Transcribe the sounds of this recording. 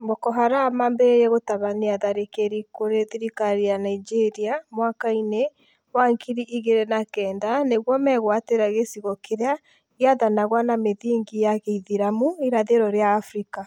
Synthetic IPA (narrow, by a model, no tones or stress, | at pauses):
mbɔkɔɦaɾamambeejɛɣotaβaneaðaɾekeɾikoɾeðiɾikaɾijanaid͡ʒeɾiamwakaine | mwaŋkiɾiʔiɣeɾɛnakɛːndaneɣwɔmɛɣwateɾaɣesiɣɔkʰeɾea | iaðanaɣwanameðiːŋɡijaɣeiðiɾamuiɾaðeɾɔɾeaːfɾika